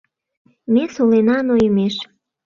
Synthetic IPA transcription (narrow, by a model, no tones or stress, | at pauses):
mesolenɑnojəmeʃ